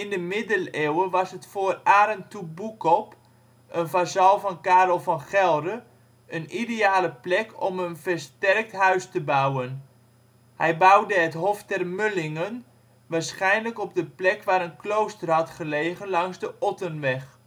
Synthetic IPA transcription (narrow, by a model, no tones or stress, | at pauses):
ɪndəmɪdəlewəʋɑsɦətfoːəraːɾəntubukɔp | ənfazɑlˠfɔnkaːɾɔlˠfɔnχɛlˠdə | ənideaːləplɛkʰɔmənfərstɛrk̚tɦœɥstəbawən | hɛjbawdəɦətɦɔftɛrmølɪŋən | ʋaːrsχɛjnləkɔb̚dəplɛkʋaːɾənklowstərhɑtχəleːɣənlɑŋzdəʔɔtənʋɛχ